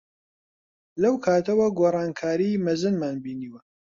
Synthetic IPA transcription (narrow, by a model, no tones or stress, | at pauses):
lɐwkʰaːt̪ɐwɐɡoːrˤɑːnkʰaːɾimɐzɨnmaːnbiːniːwɐ